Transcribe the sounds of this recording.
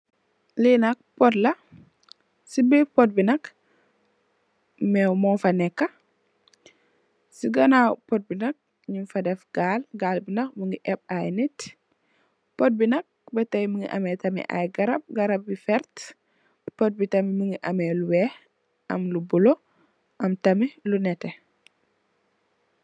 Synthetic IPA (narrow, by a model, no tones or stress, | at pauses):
linɐk̚pɔtlɐ | sibipɔt̚binɐk | mɛwmɔfɐnɛkːɐ | siɡɐnawpɔt̚binɐk̚ | ɲunfɐdɛfɡ̥aːlɡaːlbinɐk̚muŋɡiʔɛp̚ajnit | pɔt̚binɐk̚bɛtɐjmuŋɡḭʔɐ̰mɛtɐmḭʔa̰jɡɐɾɐb̚ɡɐɾɐb̚ːifɛɾt | pɔt̚bitɐmimuŋɡiʔɐmɛluwɛh | ʔɐmlubulo | ʔɐmtɐmilunɛtːɛ